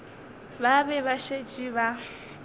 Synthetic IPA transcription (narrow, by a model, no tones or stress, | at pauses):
babɛβaʃet͡ʃʼiβa